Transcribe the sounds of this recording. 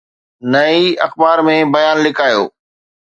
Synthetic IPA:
nɐiɐxbaːɾmẽbɐjaːnlɪkʰaːjo̰ː

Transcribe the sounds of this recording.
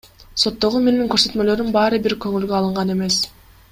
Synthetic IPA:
so̞t̪ːo̞ʁume̞niŋkøɾsø̞t̪mø̞lø̞ɾymbɑːɾɯbiɾkøŋylɡøɑlˠɯɴʁɑne̞me̞s

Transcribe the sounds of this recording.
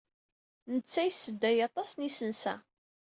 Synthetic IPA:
nət͡sːæjsːəd̪ːæjɑt̪ˤɑsnisənsæ̰

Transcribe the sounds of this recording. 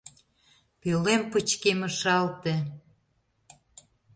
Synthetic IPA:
pølemput͡ɕkeməʃɑlt̪e

